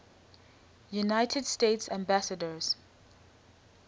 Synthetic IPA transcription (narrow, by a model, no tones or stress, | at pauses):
junaɪtʰədstetsæ̃mbasədəz̥